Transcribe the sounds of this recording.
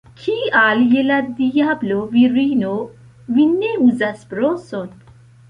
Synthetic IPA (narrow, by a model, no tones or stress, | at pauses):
kʰiaːljelaɾd̪ijabloviɾiːno | vinːeuzasbɾoson